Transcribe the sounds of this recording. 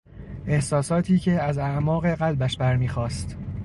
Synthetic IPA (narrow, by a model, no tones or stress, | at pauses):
ʔe̞hsɒːsɒːt̪ʰiːcʰe̞æzæʔmɒːɣe̞ɢælbæʃbæɾmiːxɒːst̪